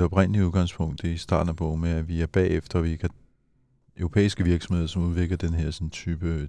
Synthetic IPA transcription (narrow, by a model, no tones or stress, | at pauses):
ɒ̽b̥ʁen̰əliuðˠɡ̥ɑ̈ŋ̰spʰɔ̽ŋ̰d̥isd̥ɑ̰̈ːd̥n̩æb̥ɔ̰ːmeæʋiæɐb̥ɛ̰ːefd̥ɐʋikʰæ | øʊʁo̝pʰḛːisɡ̥əʋiɐɡ̥sɒ̽mhe̝ð̞̰ˠɐsɒ̽muð̞ˠʋe̝ɡ̥lɐd̥enəɦeɐ̰sɒ̽nt͡sʰyːb̥ə